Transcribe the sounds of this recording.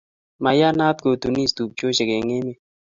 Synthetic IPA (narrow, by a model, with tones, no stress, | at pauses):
ma˨ja˦na˦t̪̚ko˨t̪u˨ni˦st̪u˨p̚t͡ʃjo˦ʃe˨ke˨ŋe˦me˦